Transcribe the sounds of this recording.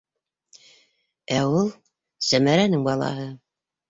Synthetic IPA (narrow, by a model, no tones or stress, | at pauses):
æulˠ | sæmæɾænɘŋbɑlˠɑ̰ɦɤ